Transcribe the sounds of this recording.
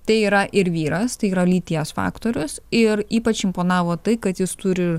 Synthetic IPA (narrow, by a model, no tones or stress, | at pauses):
t̪ɐɪiːɾɐʔɪɾʋʲiːɾɐst̪ɐɪiːɾɐlʲiːt̪ʲiɛsfɑ̰ːkt̪oːɾʲʊsɪɾiːpɐt͡ʃɪmpoːnɑːʋoːt̪ɐɪkɐt̪jɪst̪ʊɾʲɪ